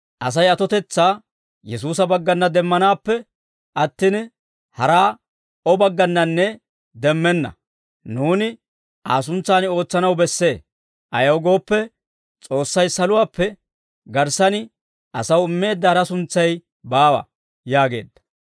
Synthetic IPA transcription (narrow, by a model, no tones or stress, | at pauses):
ʔɐs̬ɐjɐt̪ɔt̪ɛt͡sːaː | jɛsuːs̬ɐbɐɡːɐnːɐd̪ɛmːɐnaːpːɛ | ʔɐt̪ːiːn | hɐɾaː | ɔbɐɡːɐnːɐnːɛ | d̪ɛmːɛnːɐ̰ | nuːnɪ | aːs̬ʊnt͡sːaːno̞ːt͡sːɐnɐwbɛsːe̞ː | ʔɐ̰jɐwɡo̞ːpːɛ | t͡sʼo̞ːsːɐjsɐlʊwaːpːɛ | ɡɐɾsɐnɪ | ʔɐsɐwɪmːe̞ːd̪ːɐɐɾɐsʊnt͡sːɐj | baːwɐ̰ | jaːɡe̞̰ːd̪ːɐ̥